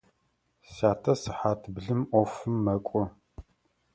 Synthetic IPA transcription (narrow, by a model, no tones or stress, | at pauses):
saːtʰɐsɨħaːtʰbɮɨmʔʷɔfɨmːɐkʷʼɔ